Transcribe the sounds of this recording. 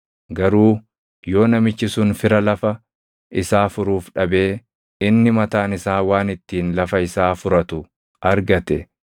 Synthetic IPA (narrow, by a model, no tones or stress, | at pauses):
ɡɐɾuː | jo̞ːnɐmɪt͡ʃːɪsʊnfɪɾɐlɐfɐ | ɪsaːfʊɾuːfᶑɐbe̞ː | ɪnːɪmɐt̪aːnɪsaːwaːnɪt̪ːiːnlɐfɐɪsaːfʊɾɐt̪ʊ | ɐɾɡɐt̪ɛ